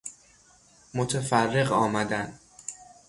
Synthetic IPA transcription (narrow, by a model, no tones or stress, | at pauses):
mot̪ʰefærːe̞ɢɒːmæd̪ænd̪